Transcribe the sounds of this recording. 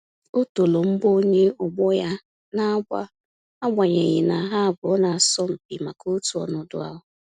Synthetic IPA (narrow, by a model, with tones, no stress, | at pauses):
o˦to˨lo˨m̩˦ɡ͡bo˦ɲe˦ɔ˨ɡ͡bɔ˦ja˦ | na˦a˦ɡ͡bʷa̰˦ | a˦ɡ͡bʷa˨ɲe˨ɣi˨na˨ɦa˦a˨bʊ˨ɔ˦na˨sɔ˦m̩˨pi˨ma˨ko˦tu˨˦ɔ̰˨nʊ˨dʊ̰˦a˦ɦʊ˨